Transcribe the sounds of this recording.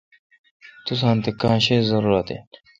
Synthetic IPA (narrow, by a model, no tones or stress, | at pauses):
t̪us̬ãːnt̪ekaãːɕeːzɐɾuːɾɐt̪ḛ